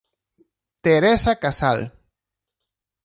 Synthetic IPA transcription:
t̪eɾesakasa̰l

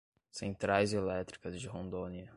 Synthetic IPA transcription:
sẽnt̪ɾajzelɛt̪ɾikɐzd͡ʒɪɦõnd̪õniɐ

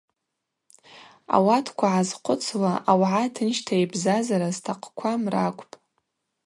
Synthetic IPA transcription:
a̰watʰkʷʰaʕazqʷʰʊt͡sʰlaʔawʕatʰɨnʃtʰajbzazaɾaztʰaqʼʰkʷʰamrakʷʼpʼ

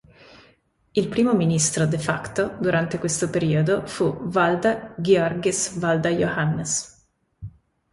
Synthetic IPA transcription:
ilpɾiːmominist̪ɾod̪efakt̪od̪uɾant̪ekwest̪opeɾiːod̪ofuvald̪aɡeɔrɡesvald̪ajohanːes

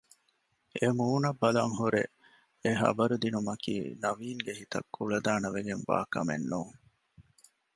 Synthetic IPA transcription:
emuːnɐbːɐlɐŋɦuɾḛ | eɦɐ̰bɐɾud̪inumɐkḭːnɐʋiːŋɡehit̪ɐ̰kːuɭɐd̪aːnɐʋeɡeŋʋa̰ːkɐ̰mḛnːuːŋ

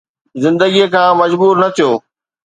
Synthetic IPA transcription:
zɪ̃nd̪əɡiekʰãːmɐd͡ʑbuːɾnɐt̪ʰijoː

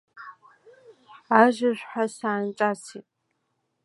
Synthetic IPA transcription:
aʒɪɕʷħasaːnt͡ʃʼasʰiːtʼ

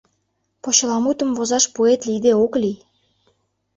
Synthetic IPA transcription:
pot͡ɕə̆lɑmut̪əmvozɑʃpoet̪lid̪eoklij

